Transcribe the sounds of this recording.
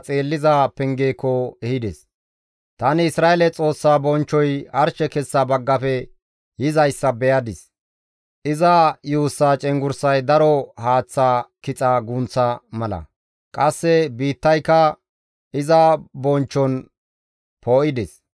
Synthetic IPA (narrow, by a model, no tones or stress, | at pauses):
t͡sʼe̞ːlːɪzapɛŋɡeːkːɔɛhɪd̪ɛs | t̪ɐnɪɪsɾaːʔelɛt͡sʼo̞ːsːaːbɔnt͡ʃːɔjɐɾʃɛkɛsːɐbɐɡːɐfɛ | jɪzɐjsːɐbɛjɐd̪ɪs | ʔɪzɐjuːsːaːt͡ʃʼɛŋɡʊɾsɐjd̪ɐɾɔhaːt͡sːaːkɪt͡sʼaɡʊnt͡sːɐmɐlɐ̰ | kʼɐsːɛbiːt̪ːɐjkɐ | ɪzɐbɔnt͡ʃːɔn | pʰoːʔɪd̪ɛs